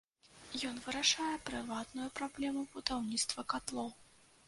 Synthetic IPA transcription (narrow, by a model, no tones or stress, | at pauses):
jɔnvɨɾaʂajɛpɾɨvat̪nujupɾablʲɛmubut̪awnʲit̪st̪vɐkat̪lˠɔw